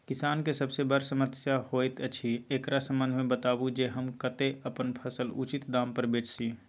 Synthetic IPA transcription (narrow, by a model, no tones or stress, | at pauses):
kɪsaːnkesəbsebəɾsəməsjahoːjt̪ət͡ʃʰieːkɾasə̃mbə̃nd̪ʱmẽbət̪aːbud͡ʒeɦəmkət̪eəpənpʰəsəlut͡ʃɪt̪d̪aːmpəɾbeːt͡ʃsi